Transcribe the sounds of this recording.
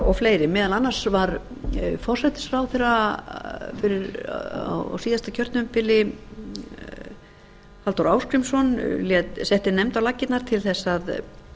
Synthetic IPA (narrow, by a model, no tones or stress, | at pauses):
ɔfleːjɾɪmɪːðalanːḁsvaɾfɔr̥sɛht̪ɪ̥sfɾawθɪra | fɪɾɪɾa̰w̰wsiːðast̪acʰœɾt̪nʏmpɪlɪ | halt̪ɔɾaːwskɾijmsɔnljɛt̪sɛht̪ɪnɛmt̪awlacːɪt̪naɾ̥t̪ʰɪlθɛsːað